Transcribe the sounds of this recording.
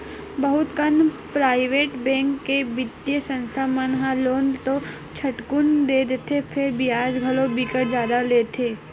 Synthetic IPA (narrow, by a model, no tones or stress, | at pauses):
bɐɦʊt̪kən | pɾaːɪʋeːʈbɛ̃ːŋkːebɪd̪jesə̃nst̪ʰamənɦaloːnt̪o | t͡ʃʰɐʈkʊnd̪eːd̪et̪ʰepʰɪɾbijaːd͡ʒɡʱɐlobiːkəɾd͡ʒjaːd̪aleːt̪ʰeː